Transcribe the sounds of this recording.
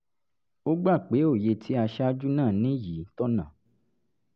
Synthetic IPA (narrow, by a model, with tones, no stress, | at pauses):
o˦ɡ͡ba˦˨k͡pe˨˦o˦˨je˧tʰi˨˦a˧ʃa˦d͡ʒu˦nãː˦˨nĩ˨˦ji˨˦tɔ˦nã˦˨